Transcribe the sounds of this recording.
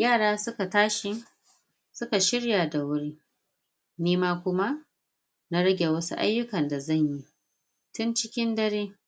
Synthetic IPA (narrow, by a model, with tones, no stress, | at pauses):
jaː˦˨ɽaː˦sʊ˦ka˨taː˦ʃɪ˦ | sʊ˦ka˨ʃɪ˦ɽja˨da˨wʊ˦ɽi˦ | niː˦maː˦kʷʊ˦ma˦ | na˦ɽɐ˦ɡʲe˨wɐ˦su˦ʔa̰˦jːʊ˦kɐ˨nda˨zɐ˦˨ɲji˦ | tʊ˦nt͡ʃɪ˦kʲɪ˦ndɐ˦ɽeː˦